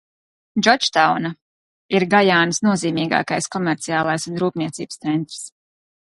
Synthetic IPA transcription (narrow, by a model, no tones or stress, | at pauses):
d͡ʒɔt͡ʃt̪awna | iɾɡajaːnsnuɔziːmiːɡa̰ːkajskɔmɛɾt̪siaːlˠajsunɾuːpniɛt̪sḭːbəst̪sɛnt̪ɾ̥s